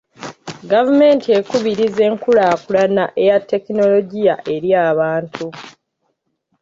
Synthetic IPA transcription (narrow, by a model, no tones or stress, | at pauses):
ɡavume̞ːntʰie̞kuβiɾize̞ːŋkulaːkulanaʔe̞jatːe̞kino̞lo̞ɟija̰ʔe̞ɾjaːβaːntʰu